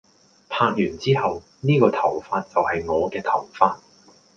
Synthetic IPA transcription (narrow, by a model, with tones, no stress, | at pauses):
pʰaː˧k̚jyː˨˩nt͡siː˥hɐ˨w | niː˥kɔː˧t̪ʰɐ˨˩wfaː˧t̚t͡sɐ˨whɐ˨jŋɔː˨˧kɛː˧t̪ʰɐ˨˩wfaː˧t̚